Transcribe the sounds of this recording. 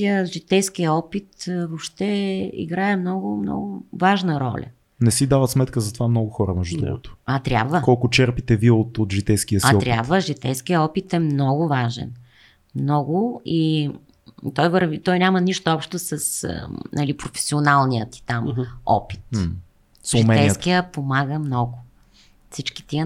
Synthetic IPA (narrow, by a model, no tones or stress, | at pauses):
iəʒit̪ɛjsk̟ijəɔpit̪vopʃt̪ɛḭɡɾaɛmnɔɡʊmnɔ̰ɡʊvaʒnəɾɔ̰lʲə̰ | nɛsid̪avət̪smɛt̪kəzɐt̪ovamnɔɡʊxɔɾəmɛʒd̪ud̪ɾṵɡot̪o̥at̪ɾʲa̰bvəkɔlˠkʊt͡ʃɛɾpit̪ɛviɛot̪ot̪ʒit̪ɛjskiəsaiɔt̪ɾʲjabvəʒit̪ɛjskijəɔpit̪ɛmnɔɡʊvaʒɛ̰n | mnɔɡʊi | t̪ɔjvəɾvit̪ɔjnʲaməniʃt̪oɔpʃt̪ʊsəsnɐlipɾofɛ̥sionalˠnijət̪i̥t̪amɔ̰pi̥t̪ | sʒimɛɛjskkijəpomaɡəmnɔɡʊ | fsit͡ʃki̥t̪iə